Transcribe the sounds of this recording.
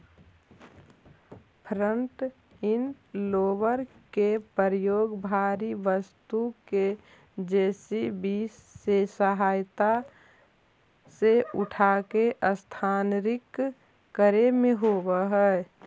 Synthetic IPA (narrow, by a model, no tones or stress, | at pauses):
pʰɾəɳʈ | ɪn | loːbəɾkepəɾəjoːɡbʱaːɾiʋəst̪uke | d͡ʒeːsibiːsːesəɦaːjt̪a | seʊʈʰakeʔəst̪ʰaːnɾɪkː | əɾemẽɦoːwəɦɛ